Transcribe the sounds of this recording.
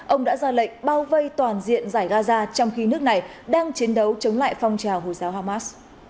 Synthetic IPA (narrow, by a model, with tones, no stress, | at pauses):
ʔə˧wŋ͡mɗa̰ː˧˥zaː˧lə̰˧˨ŋ̟ɓaː˧wvə˧jt̪waː˨˩nzḭ˧˨ənzaː˧˩jɣaː˧zaː˧t͡ɕɔ˧wŋ͡mxi˧nɨ˦˥ək̚na˨˩j | ɗaː˧ŋt͡ɕi˨˦ənɗə˨˦wt͡ɕə˨˦wŋ͡mla̰ː˧˨jfɔ˧wŋ͡mt͡ɕaː˨˩wɦo˨˩jzaː˨˦wɦaː˧maː˦˥s